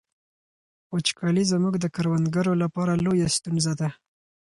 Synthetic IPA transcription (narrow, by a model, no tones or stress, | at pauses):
ot͡ʃkʰɑlizəmuɡd̪əkaɾwand̪ɡaɾolapɑɾalojast̪unzad̪a